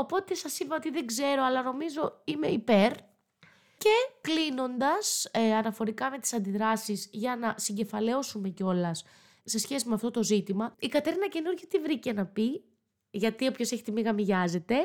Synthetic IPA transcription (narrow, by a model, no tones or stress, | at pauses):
o̞po̞t̪e̞sɐsipɐo̞t̪iðe̞ɡze̞ɾo̞ɐlɐno̞mizo̞ime̞ipe̞ɾ | ce̞klino̞nd̪ɐsɐnɐfo̞ɾikɐme̞t̪i̥sɐnd̪iðɾɐsizʝɐnɐsiɲɟe̞fɐle̞o̞sume̞ceo̞lɐs | se̞sçesimeɐft̪o̞t̪o̞zit̪imɐikɐt̪eɾinɐce̞nuɾʝot̪ivɾice̞nɐpi | ʝɐt̪io̞pço̞se̞çi̥t̪imiɣɐmiʝɐze̞t̪e̞